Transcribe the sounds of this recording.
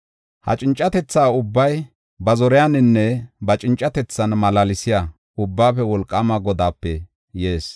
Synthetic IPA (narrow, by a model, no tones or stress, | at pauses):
hɐ̰t͡ʃʼɪnt͡ʃʼːɐt̪ɛt͡sːaːʊbːɐj | bɐzɔɾɛjanɪnːɛbɐt͡ʃʼɪnt͡ʃʼːɐt̪ɛt͡sːɐnmɐlalɪsɪja | ʊbːaːfɛwɔlkʼːɐmɐɡɔd̪aːpːɛ | jeːs